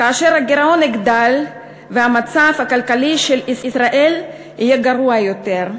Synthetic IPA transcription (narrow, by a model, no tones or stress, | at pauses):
kaːʃe̞ʁhaɡeʁao̞niɡd̪al | veɦamat͡safhakalkaliʃelisisʁaʔe̞l | hijeɡaʁuajo̞t̪eʁ